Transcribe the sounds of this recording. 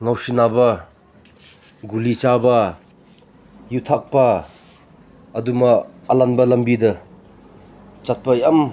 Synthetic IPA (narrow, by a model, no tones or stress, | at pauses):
ŋawsinabɐ | ɡulit͡ʃabɐ | jutʰak̚pɐ | dumɐːlanbɐlɐmbidɐ | t͡ʃat̚pajɐm